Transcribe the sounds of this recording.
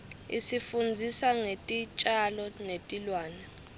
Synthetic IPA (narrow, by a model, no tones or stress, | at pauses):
ḭsifund͡zʱisaŋetʼit͡ʃʼalɔnetʼilwaːnɛ